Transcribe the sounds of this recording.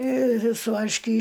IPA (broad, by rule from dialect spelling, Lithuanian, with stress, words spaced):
ɪr sʊ ʋɐrʲʃʲˈkʲiː